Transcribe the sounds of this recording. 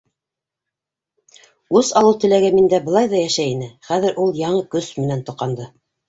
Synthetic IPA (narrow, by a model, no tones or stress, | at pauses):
ʉsɑlˠɤwˠt̪ɘ̆læɡæmind̪æbɤ̆lˠɑjðɑjæʃæjinɘχæðɘ̆ɾʔulˠjɑɴɤkɵsmɘ̆nænt̪ŏqɑnd̪ɤ